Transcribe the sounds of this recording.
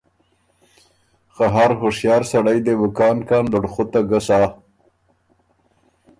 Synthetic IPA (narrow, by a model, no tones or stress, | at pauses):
xaɦaɾɦʊʂjɑːɾsaɽajd̪ewʊkɑːnkɑːnlʊɽxʊt̪aɡəsɑː